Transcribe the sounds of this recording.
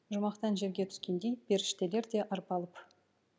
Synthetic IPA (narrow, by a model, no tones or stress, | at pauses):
ʒʊmɑqt̪ɑnʒe̞ɾɡʲe̞t̪ʰʏ̥skʲe̞nd̪e̞jbe̞ɾɪʃt̪e̞leɾd̪e̞ʔɑɾpɑlˠəp